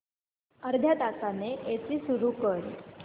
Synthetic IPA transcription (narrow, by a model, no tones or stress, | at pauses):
əɾd̪ʱjat̪asaneʔet͡siːsuɾuːkəɾḭ